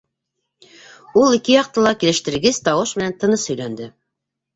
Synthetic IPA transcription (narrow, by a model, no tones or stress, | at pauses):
ulˠikɘjɑq̚t̪ɤlˠɑkilɘ̆ʃt̪ɘ̆ɾɡɘz̥t̪ɑwɤʃmɘ̆nænt̪ɤ̆nɤshɵ̆jlænd̪ɘ